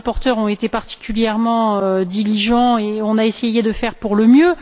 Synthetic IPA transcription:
pɔʁt̪œʁɔ̃et̪epaʁt̪i̥kʲyljɛʁmɑ̃ød̪iliʒɑ̃eɔ̃naesejed̪əfɛʁpuʁləmjø

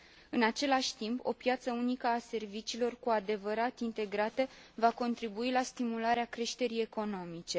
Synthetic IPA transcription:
ɨnat͡ʃe̞laʃʲt̪impʰo̞̰pjat̪səunikəase̞rvit͡ʃiːlo̞rkuad̪e̞vəɾat̪int̪e̞ɡɾat̪əvako̞nt̪ɾibuilast̪imulaɾeakɾe̞ʃt̪e̞ɾije̞ko̞no̞mit͡ʃe̞

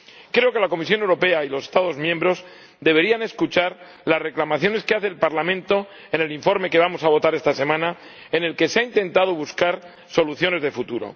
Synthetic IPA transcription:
kɾe̞oke̞lako̞mis̬jo̞newɾo̞pe̞ailo̞sest̪aðo̞zmjẽmbɾo̞s | d̪e̞βe̞ɾiane̞skut͡ʃaɾ | lasre̞klamaθjo̞ne̞skeaθe̞ːlpaɾlamẽ̞nt̪o̞ | ene̞liɱfo̞ɾme̞keβamo̞saβ̞o̞t̪aɾe̞st̪ase̞mãna | e̞ne̞lke̞seaint̪e̞nt̪aðo̞βuskaɾ | so̞luθjo̞ne̞zðe̞fut̪uɾo̞̰

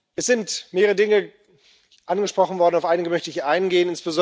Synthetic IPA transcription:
ʔɛsz̥ɪntmeːʁəʁədɪŋə | ʔanɡəʃpʁ̥ɔχn̩vɔɐdn̩aʊfʔaɪnɪɡəmœçtəɪçʔaɪnɡeːənɪnsb̥əzɔ

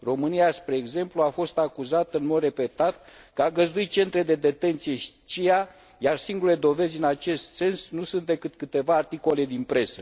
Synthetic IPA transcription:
ro̞mɨniaspɾe̞ːɡze̞mpluafo̞st̪akuzat̪ɨnmo̞d̪re̞pe̞t̪at̪̚ | kəaɡəzd̪uit̪̚t͡ʃe̞nt̪ɾe̞d̪e̞d̪e̞t̪e̞nt̪sije̞ʃit͡ʃija | jarsiŋɡule̞d̪o̞ve̞zʲɨnat͡ʃe̞st̪se̞nsnusunt̪̚d̪e̞kɨt̪kɨt̪e̞vaːrt̪iko̞le̞d̪inpɾe̞sə

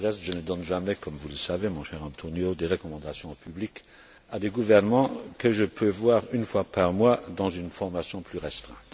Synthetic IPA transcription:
ʁɛst̪ʒ̥ənəd̪ɔnʒamɛkɔmvuləsavemɔ̃ʃɛʁɑ̃t̪ʰonjod̪eʁəkɔmɑ̃d̪asjɔ̃opyblik | ad̪eɡuvɛʁnəmɑ̃kəʒəpʰøvwaːʁynfwapaʁmwad̪ɑ̃zynfɔʁmasjɔ̃pʰlyʁɛst̪χɛ̰̃ːt̪

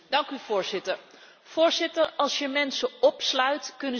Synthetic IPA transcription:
d̥ɑŋkyvʊːɹzɪtəɹ | v̥ʊːɹzɪtəɹɑlˠsjəmɛnsəɔpslœɥtkɵnə

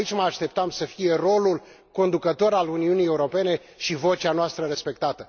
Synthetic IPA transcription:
it͡ʃʲməaʃt̪e̞p̚t̪amsəfije̞ro̞lul | ko̞nd̪ukət̪o̞ɾaluniunije̞uɾo̞pe̞ne̞ | ʃivo̞t͡ʃanoast̪ɾəɾe̞spe̞k̚t̪at̪ə

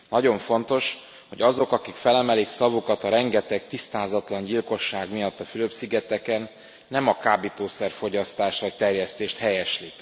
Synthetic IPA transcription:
nɒɟo̞ɱfo̞nt̪o̞ʃ | ho̞ɟɒzo̞kɒkikfɛlɛmɛliksɒvukɒt̪ɒɾɛŋɡɛt̪ɛkt̪ist̪aːzɒt̪lɒɲɟilko̞ʃːaːɡmijɒt̪ːɒfyløpsiɡɛt̪ɛkɛnː | ɛmɒkaːbit̪oːsɛrfo̞ɟɒst̪aːʃt̪ʋɒc̚t̪ɛrjɛst̪eːʃt̪hɛjɛʃlik

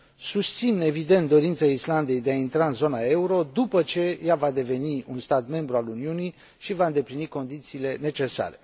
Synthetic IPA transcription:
sust̪sine̞vid̪e̞nt̪d̪o̞ɾint̪saisland̪e̞jd̪e̞aint̪ɾaɨnzo̞nae̞uɾo̞d̪upət͡ʃe̞javad̪e̞ve̞niunst̪at̪me̞mbɾualuniuni | ʃivaɨnd̪e̞pliniko̞nd̪it̪siːle̞ne̞t͡ʃe̞sa̰ɾe̞

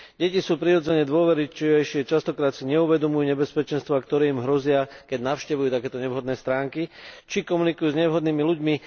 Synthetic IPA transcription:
ɟɛcisuːpɾiɾɔd͡zɛɲɛd̪ʊɔʋɛɾit͡ʃiɛjʃɪɛt͡ʃast̪ɔkɾaːt̪siɲɛuʋɛd̪ɔmujuːɲɛbɛspɛt͡ʃɛnst̪ʋakt̪ɔɾɛːimɦɾɔzɪakɛɟnaʊʃcɛʋujuːt̪akɛːt̪ɔɲɛʋɦɔd̪nɛːst̪ɾaːŋkit͡ʃikɔmunikujuːzɲɛʋɦɔd̪niːmiluɟmi

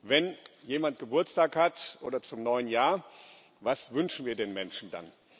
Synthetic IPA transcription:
vɛnjeːmant̚ɡ̥əbʊɐt͡staːkhatʔo̰ːdɐt͡sʊmnɔʏənjaːɐ | vasvʏnʃn̩viːɐdeːnmɛnʃn̩da̰n

